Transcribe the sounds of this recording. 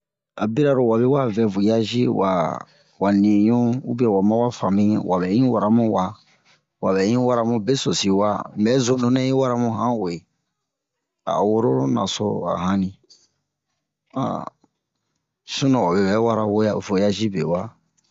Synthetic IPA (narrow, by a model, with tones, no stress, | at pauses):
a˨bi˦ɾa˦ɾo˨wa˨be˦wa˦vɛ˨vo˨ja˦ʒi˦wa̰˨ | wa˨nĩ˨jõ˦u˦bɛ˨wa˨mã˦wa˦fã˨mĩ˦ɲɛ˦wa˨bɛ˨˦ĩ˦wa˨ɾa˨˦mũ˦wa˨ | wa˨bɛ˨˦ĩ˦wa˦ɾa˦mũ˦be˦so˨si˨wa˦mbɛ˨˦zũ˦nõ˦nɛ̃˦i˦wa˦ɾa˦mũ˦ɦã˦o˨je˨ | a̰˨wo˦ɾo˦na̰˨so˦˨a̰˨ɦã˦nĩ˨ | ã̰˨ | sũ˦nã˨wa˨bɛ˨bɛ˦wa˦ɾa˦wo˦ja˦˨vo˨ja˦ʒi˦be˨wa˦